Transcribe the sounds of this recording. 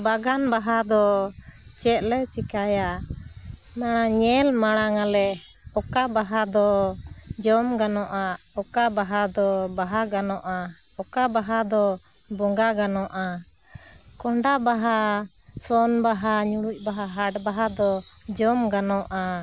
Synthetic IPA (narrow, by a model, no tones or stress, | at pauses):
baɡanbaɦad̪ɔ | t͡ʃɛt̪̚lɛt͡ʃikaja | naɲɛlmaɽ̃aŋalɛʔ | ɔkabaɦad̪ɔ | d͡ʒɔmɡanɔʔa | ɔkabaɦad̪ɔbaɦaɡanɔʔa | ɔkabaɦad̪ɔ | bɔŋɡaɡanɔʔa | kɔɳɖabaɦa | sɔnbaɦaɲuɽuc̚ˀbaɦaɦaʈbaɦad̪ɔ | d͡ʒɔmɡanɔʔa